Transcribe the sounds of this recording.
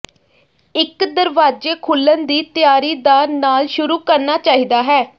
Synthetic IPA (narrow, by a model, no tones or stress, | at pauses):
ɪkd̪əɾʋaːd͡ʒeːkʰʊlːənd̪iːt̪ɪjaːɾiːd̪aːnaːlʃʊɾuːkəɾnaːt͡ʃaːɦiːd̪aːɦɛː